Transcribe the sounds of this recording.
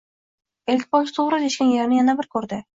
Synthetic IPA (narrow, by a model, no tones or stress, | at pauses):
elʲkʲbɒlˠsɪ̥t̪ʰoʁɾɪd̪eʃkʲanjeɾnɪjanabɪɾkʰɵɾd̪ɪ